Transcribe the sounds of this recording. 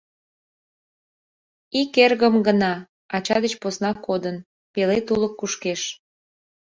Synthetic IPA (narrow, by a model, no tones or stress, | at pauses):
ikerɣəmɡənɑ | ɑt͡ɕɑd̪ət͡ɕposnɑkod̪ən | pelet̪uləkːuʃkeʃ